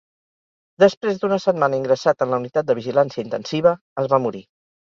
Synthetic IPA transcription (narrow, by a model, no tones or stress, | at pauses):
d̪əspɾezd̪unəsət̪manəiŋɡɾəsat̪ənləunit̪at̪̚d̪əβiʒilansiəint̪ənsiβ̞ə | əzβamuɾi